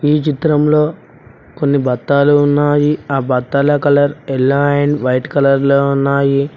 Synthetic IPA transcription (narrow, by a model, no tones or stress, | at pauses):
iːt͡ʃit̪ɾɐmlo̞ː | ko̞nːibɐt̪ːaːluːnːaːjiaːbɐt̪ːɐlɐkɐlɐɾelːaːnʋɐjʈkɐlɐɾloːunːaːji